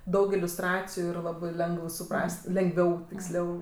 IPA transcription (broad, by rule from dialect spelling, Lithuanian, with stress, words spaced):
ˈdɐʊk ɪlʲʊsˈtrɑːt͡sʲɪjʊ ɪr ˈlˠɑːbɜ ˈlʲɛŋɡəw sʊˈprɐsʲtʲ lʲɛŋɡˈʋʲɛʊ tʲɪksʲˈlʲɛʊ